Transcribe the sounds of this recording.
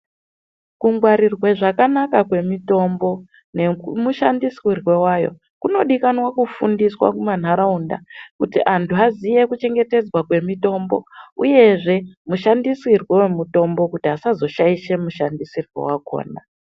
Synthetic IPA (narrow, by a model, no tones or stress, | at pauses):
kuŋɡwaɾirwe̞ʐakanakakwe̞mito̞mbo̞ | ne̞muʃandiswirwe̞wajo̞̰ | kuno̞ɗikanwakufundiswa̰kuman̤aɾaunda̰kutḭʔantʰuɦazije̞kut͡ʃe̞ŋɡe̞te̞d͡zwakwe̞mito̞mbo̞̰uje̞ʐe̞muʃandisirwe̞we̞muto̞mbo̞kutiasazo̞ʃaiʃe̞muʃandisirwḛwako̰ːna